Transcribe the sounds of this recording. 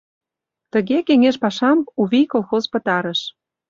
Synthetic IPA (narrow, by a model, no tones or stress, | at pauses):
t̪ə̆ɣekeŋeʃpɑʃɑmuβikolˠxozpə̆t̪ɑɾə̆ʃ